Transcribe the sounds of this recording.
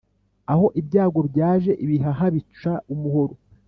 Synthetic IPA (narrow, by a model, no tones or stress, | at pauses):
aho̞ʔibjaːɡo̞bjaːʒe̞ʔiβiɦaɦaβit͡ʃaumuhoɾo